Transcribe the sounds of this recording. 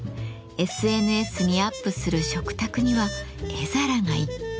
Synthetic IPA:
e̞sɨe̞nɯ̟e̞sɨɲ̟iapːɯ̟sɨɾɯ̟ɕo̞kɯ̟̥t̪akɯ̟ɲ̟iβa | ezaɾaŋai

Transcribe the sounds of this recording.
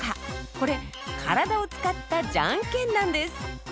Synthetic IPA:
kʰaʔkɔɽɛkʰaɾad̪aut͡skat̪ːad͡ʒa̰ŋkenːand̪es

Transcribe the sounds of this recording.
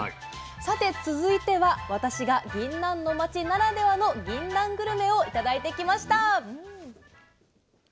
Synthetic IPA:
sat̪e̞t͡sɨzɨit̪e̞βaβat̪aɕiɡaɡʲĩnːãnːo̞mat͡ɕinaɾad̪e̞βano̞ɡʲĩnːãŋɡɯ̟ɾɯ̟me̞o̞it̪ad̪ait̪e̞kʲimaɕi̥t̪aɯ̟̃

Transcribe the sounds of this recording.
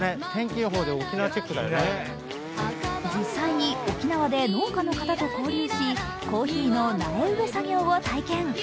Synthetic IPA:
et̪ẽ̞ŋkʲinoɦo̞ːd̪eokʲinaβat͡ɕe̞kːɯd̪a̰jo̰e | d͡ʑisːaiɲ̟io̞kʲinaβad̪e̞no̞ːkano̞kat̪at̪o̞ko̞ːɾʲiːɕi | ko̞ːçiːno̞nameɯ̟be̞saɡʲo̞ːβat̪aikẽ̞ŋ

